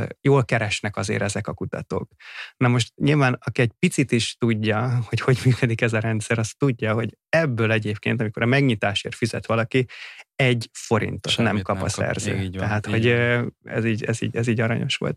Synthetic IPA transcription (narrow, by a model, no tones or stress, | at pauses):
joːlkɛɾɛʃnɛkɒzḛːɾɛzɛkɒkut̪ɒ̰t̪o̰ːknɒmo̞ʃt̪ɲilvaːnɒkiɛɟ̚pit̪sit̪iʃt̪uɟːɒho̞cho̞ɟmyːkød̪ikɛzɒɾɛnt̪sɛɾɒst̪uɟːɒɦo̞ɟ | ɛbːøːlɛɟeːpkḛːnt̪ɒmiko̞ɾɒmɛɡɲit̪aːʃḛːrfizɛ̰t̪ʋɒlɒkiɛɟfo̞ɾḭnt̪o̞t̪nɛmkɒpɒ̰sɛ̰rzø̰ːɛɦaːt̪ho̞ɟɛ̰ziːɟɛzḭːɟɛziːɟɒɾɒɲo̞̰ʃʋo̞̰lt̪